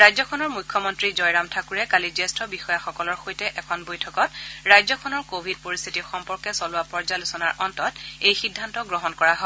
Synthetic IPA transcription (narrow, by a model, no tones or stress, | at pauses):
ɹajzɔkʰɔnɔɹmujkʰːɔmɔntɹizɔjɹamtʰakuɹɛkalizɛstɔbixɔjaxɔkɔlɔɹxojtɛʔɛkʰɔnbojtʰɔkɔtɹajzɔkʰɔnɔɹkobʱid̚poɹist̪ʰitixɔmpɔɹkɛsɔlʊwapɔɹzalusɔnaɹʔɔntɔtejxidʱːantɔɡɹɔɦɔnkɔɹaɦɔ